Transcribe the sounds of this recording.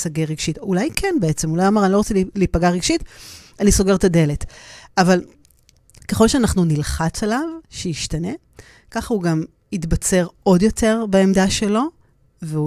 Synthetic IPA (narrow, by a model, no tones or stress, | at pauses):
saɡeʁiɡʃitulajkʰenbeet͡semulajamaʁaniloot͡seliliːpaɡaʁiɡʃitaniso̞ɡe̞ʁtade̞letaval | keχolʃeaːnaχnunilχat͡salavʃejiʃtane̞ | kaχauɡam | itbat͡se̞ʁo̞djo̞te̞ʁbaemdaʃe̞lo̞ | veu